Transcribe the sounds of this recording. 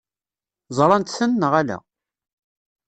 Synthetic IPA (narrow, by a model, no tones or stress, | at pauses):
zˤɾˤɑnt̪θənːəʁælæ̰